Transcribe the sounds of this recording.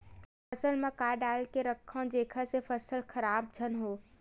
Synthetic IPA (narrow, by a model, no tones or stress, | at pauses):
fɐsəlmãkaɖaːlkeɾɐkʰːãd͡ʒeːkʰəsefɐsəlxʰɐɾaːb̚d͡ʒʱənɦoː